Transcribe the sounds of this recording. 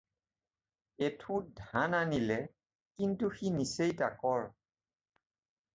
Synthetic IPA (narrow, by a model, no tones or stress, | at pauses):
etʰũdʱananilɛ | kintuxinisejtakɔɹ